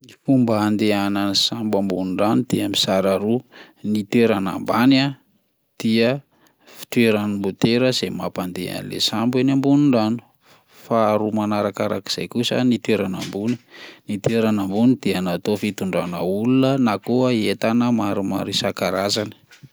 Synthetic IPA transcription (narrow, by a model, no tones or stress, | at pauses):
fumbaːnd̪eanansambambunuɳɖ͡ʐanud̪̥eamisaɾaɾu | nit̪weɾana̰mbana | d̪̥iə | fi̥t̪weɾanimbut̪eɾəz̥emapand̪ḛa̰nilḛsambinambunuɳɖ͡ʐanu̥ | faɾumanaɾakaɾaki̥z̥a̰jkusə̰nit̪weɾana̰mbuni̥nit̪weɾanambunid̪̥ianat̪ofit̪uɳɖ͡ʐanəulunənakoəet̪anəmaɾuma̰ɾisakaɾazani̥